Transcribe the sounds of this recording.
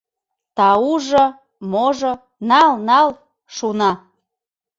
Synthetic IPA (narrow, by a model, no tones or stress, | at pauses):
t̪ɑuʒɤ | moʒŏ | nɑlnɑl | ʃunɑ